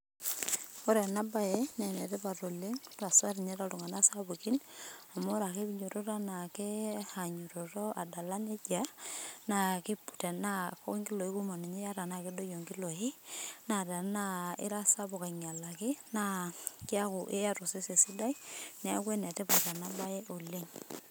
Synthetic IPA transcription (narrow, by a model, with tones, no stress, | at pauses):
ɔ˦ɾa˨na˦ba˦jɛ˦nɛ˨nɛ˨tɛ˦pa˨to˨le˦ŋta˨sa˦ɾi˨ɲɛ˦ɾa˦tu˨ŋa˨na˦sa˦bu˨ki˦na˨mo˦ɾa˨ke˦biɲo˨ɾo˦ta˦na˨ke˦ha˨ɲu˨ɾo˨tɔ˦a˨da˨la˦ne˦d͡ʒa˨na˨kɪ˦pu˨tɛ˨na˦kɔ˦ŋki˦lo˨i˦ku˦ma˨ni˨ɲe˦ja˦ɾa˨na˨ke˦do˦jo˨ŋki˦lo˨ɪ˦na˨da˨na˦ɪ̰˦ɾa˦sa˦bɔ˨ka˨ŋ˨a˨la˨kɪ˦na˦kɪ˦a˦ku˨ʔe˦ja˦ɾo˨se˦se˨si˦da˦inɛ˨a̰˦kwe˦nɛ˨tɛ˦pa˨ta˨na˦ba˦jɛ˦ʔo˨le˦ŋ